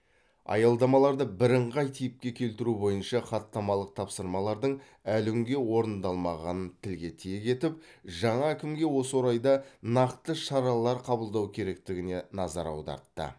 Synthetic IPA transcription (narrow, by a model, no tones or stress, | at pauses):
ɑ̰jɑlˠd̪ɑmɑlˠɑɾd̪əbɪɾəɴʁɑjt̪ʰijɪp̚kʲe̞kʲʰe̞lt̪ɪɾubo̞jənʃɑχɑt̪ːɑmɑlˠəq̚t̪ʰɑpsəɾmɑlˠɑɾd̪əɴ | ælɪmɡʲe̞wo̞ɾənd̪ɑlˠmɑʁɑnənt̪ʰɪlɡʲe̞t̪ʰijeɡʲe̞t̪ɪp̚ | ʒɑɴɑækʲɪmɡʲe̞wo̞səwo̞ɾɑjd̪ɑnɑqt̪əʃɑɾɑlˠɑɾqʰɑbəlˠd̪ɑwkʲʰe̞ɾe̞k̚t̪ɪɡʲɪne̞nɑzɑɾɑ̰wd̪ɑ̰ɾt̪ːə̰